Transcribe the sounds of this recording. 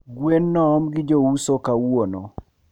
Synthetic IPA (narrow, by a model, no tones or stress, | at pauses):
ɡwenːɔɔmɡɪd͡ʒousokawwonɔ̰